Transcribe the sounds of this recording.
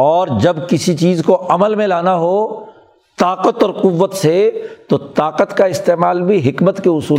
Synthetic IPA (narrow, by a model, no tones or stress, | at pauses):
ɔːɾd͡ʒɐbkɪsit͡ʃiːzkoʔɐməlmẽlaːnaɦo | t̪aːqət̪ɔːɾqʊʋːət̪set̪ot̪aːqət̪kaɪst̪eːmaːlbʱiɦɪkmət̪keʊsuːl